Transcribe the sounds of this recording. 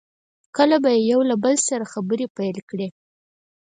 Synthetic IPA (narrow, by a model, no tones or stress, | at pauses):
kəlabajejawlabəlsaɾaxabəɾepajlkɽe